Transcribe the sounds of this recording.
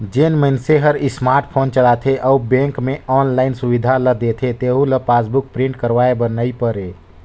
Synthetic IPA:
d͡ʒenmənseɦəɾismaɾʈ̚pʰont͡ʃəlat̪ʰeʔɔubẽŋkmeɔnlaɪnsuʋid̪ʱaləd̪et̪ʰet̪eɦuləpasbuk̚pɾĩɳʈ̚kəɾʋaebənəipəɾe

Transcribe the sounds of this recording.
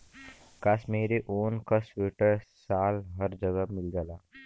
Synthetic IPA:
kasmeːɾeʔoːnkɐsweʈəɾsaːlɦəɾd͡ʒəɡəmɪlɡəlaː

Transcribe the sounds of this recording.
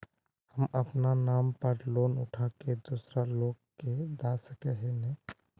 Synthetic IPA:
həməpnanaːmpəɾloːnʊʈʰaked̪uːsɾaloːɡked̪asəkɛɦenɛ

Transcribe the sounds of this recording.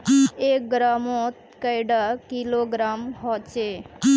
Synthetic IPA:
ek̚ɡɾamot̪kəjɽakiloɡɾamɦɔt͡ʃʰe

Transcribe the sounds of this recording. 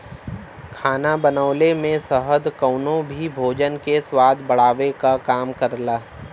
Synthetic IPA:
kʰaːnabənəʊlemẽsəɦəd̪kəʊnõbʱibʱoːd͡ʒənkeswaːd̪bəɽ̤aːʋekakaːmkəɾlaː

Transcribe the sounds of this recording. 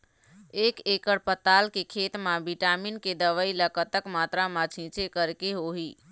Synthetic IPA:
ekekəɽpət̪alkekʰet̪mabiʈaminked̪əʋəiləkət̪əkmat̪ɾamat͡ʃʰĩt͡ʃʰekəɾkeɦoɦi

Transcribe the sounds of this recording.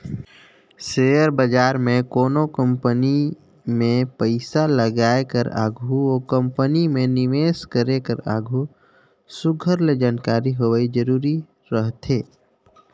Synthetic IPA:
seːjəɾbəd͡ʒaːɾmẽkoːnokə̃mpəni | mẽpəɪsaləɡaːekəɾa̰ːɡʱuoːkə̃mpənimẽnɪʋeːskəɾekəɾa̰ːɡʱu | sʊɡʱəɾled͡ʒaːnkaːɾiɦoʋaid͡ʒəɾuːɾi | ɾəɦt̪ʰeː

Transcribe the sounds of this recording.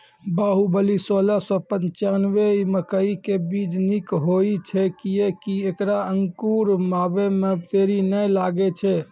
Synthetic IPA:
baɦubəlisolasɔ̃pənt͡ʃanʋeməkəikebid͡ʒnikɦoit͡ʃʰɛkijekiekɾaəŋkuɾmabemebt̪eɾinəjlaɡɛt͡ʃʰɛ

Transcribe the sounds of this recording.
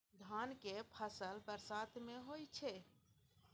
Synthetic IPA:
d̪ʱaːnkepʰəsəlbəɾsaːt̪ʰmẽɦoːit͡ʃʰe

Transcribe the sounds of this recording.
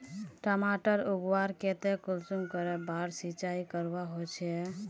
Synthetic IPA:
ʈəmaʈəɾuɡwaɾket̪ekulsuŋkəɾebaɾsit͡ʃaikəɾbaɦot͡ʃʰɛ

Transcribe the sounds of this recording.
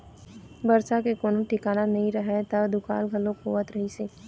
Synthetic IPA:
bɐɾt͡ʃakekoːnõʈɪkaːnanɐɦĩɾɐɦɛt̪ɐd̪ʊka̰ːlɡʱɐlõkʰoːʋət̪ɾɐɦiseː

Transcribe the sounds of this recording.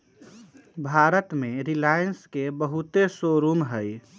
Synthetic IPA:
bʱaːɾət̪mẽɾilaːjənskebəɦut̪esoɾuːmɦəj

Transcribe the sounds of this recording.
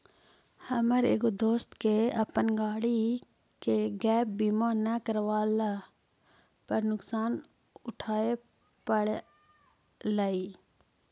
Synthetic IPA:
həməɾeːɡod̪oːst̪keəpənɡaːɽi | keɡɛːp̚biːmaːnəkəɾʋaːla | pəɾnʊksaːn | ʊʈʰaːe | pəɽ | laːiː

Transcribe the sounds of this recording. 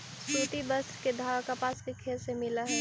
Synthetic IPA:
suːʈ̪ibəst̪ɾked̪ʱaːakapaːskekʰeːlsemɪlaɦɛː

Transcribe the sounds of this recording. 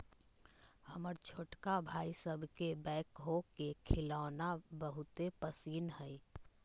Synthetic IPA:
həməɾt͡ʃʰoːʈkabʱaːisəbʱkebɛ̃ːkɦokekʰɪlaːnabəɦʊt̪epəsiːnɦɛi

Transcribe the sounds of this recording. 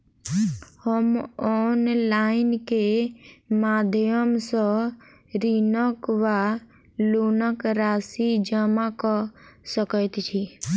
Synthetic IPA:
həmɔnlaɪnke | mad̪ʱjəmsə̃ | ɾinəkʋa | lonəkɾasid͡ʒəmakɔsəkət̪t͡ʃʰi

